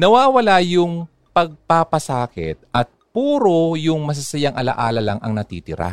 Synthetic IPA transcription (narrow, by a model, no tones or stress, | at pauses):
nɐwaːwɐlajʊŋ | pɐɡ̚papɐsaːkɛ̰t̪̚ʔɐt̪̚puːɾojʊŋmɐs̬ɐsɐjaŋʔɐla̰ʔaːlɐlɐŋʔɐ̰ŋnɐt̪ḭːt̪ɪɾa̰